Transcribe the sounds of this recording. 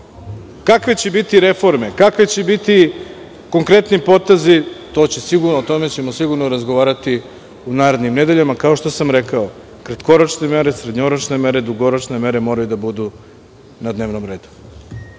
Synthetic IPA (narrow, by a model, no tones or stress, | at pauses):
kakʋet͡ɕebit̪iɾe̞fo̞ɾme̞kakʋet͡ɕebit̪i | ko̞ŋkɾe̞t̪nipo̞t̪e̞zit̪o̞t͡ɕe̞siɡuɾnoot̪o̞me̞t͡ɕe̞mosiɡuɾnoɾazɡoʋaːɾat̪i | unaːɾe̞d̪nimne̞d̪e̞ʎamakaoʃt̪o̞samɾekao | kɾat̪koɾot͡ʃne̞meɾe̞sɾed̪ɲoɾot͡ʃne̞me̞ɾe̞d̪uɡo̞ɾot͡ʃne̞me̞ɾe̞mo̞ːɾajud̪abud̪u | nad̪ne̞ːʋnomɾe̞ːd̪u̥